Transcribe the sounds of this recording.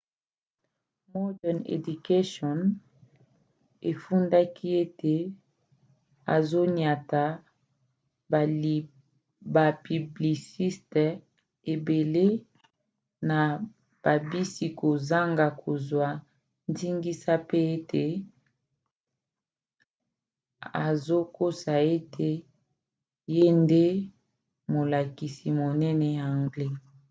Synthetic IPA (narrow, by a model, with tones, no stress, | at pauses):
mɔ˦dɛ˨nḛ˨du˨ke˦ʃɔ˨n | e˨fu˦nda˦kʰi˦e˦te˨ | a̰˨zo˦nja˨ta˨ | ba˨pi˨bli˨si˦st | e˨be˨le˦ | na˨ | b̥a˨bi˦si˨ko˨za˦ŋɡa˨kʰo˨zwa˨ | ndi˦ŋɡi˦sa˦pe˦e˦tʰe˨ | a˨zo˦ko˦sa˨e˦tʰe˨ | je˦nde˦ | mo˨la˨ki˨si˨mo˨nɛ˦nɛ˦˨a˨ŋɡle˦